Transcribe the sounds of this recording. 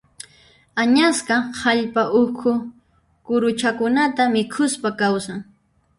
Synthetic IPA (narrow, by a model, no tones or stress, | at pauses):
aɲasqɑhaʎpaʔʊkʰʊ | kʊɾʊt͡ʃakʊnat̪amɪkʰʊspakawsaŋ